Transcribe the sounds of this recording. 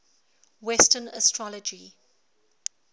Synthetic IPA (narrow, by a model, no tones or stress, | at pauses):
wɛstənəstʰɹɔləd͡ʒi